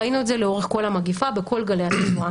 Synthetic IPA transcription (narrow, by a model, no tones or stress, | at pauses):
inuedzeleo̞ʁeχko̞lamaɡifabe̞kʰo̞lɡalejat̪iua